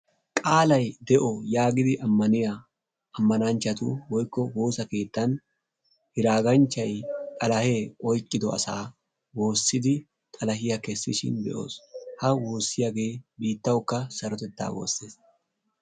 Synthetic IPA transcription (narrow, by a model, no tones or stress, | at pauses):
kʼaːlɐjd̪ɛʔɔjaːɡɪd̪ɪʔɐmːɐnɪjaː | mːɐnɐnt͡ʃːɐt̪ʊwɔjkːɔwo̞ːsɐke̞ːt̪ːɐn | hɪɾaːɡɐnt͡ʃːɐjt̪ʼɐlɐhe̞ːkʼɔjkʼːɪd̪ɔɐ̰sa̰ː | wo̞ːsːɪd̪ɪ | t̪ʼɐlɐhɪjɐkɛsːɪʃɪ̰nd̪ɛ̰ʔo̞̰ːshɐwo̞ːsːɪjɐɡe̞ːbiːt̪ːɐwkːɐsɐɾɔt̪ɛt̪ːa̰ːwo̰ːsːeːs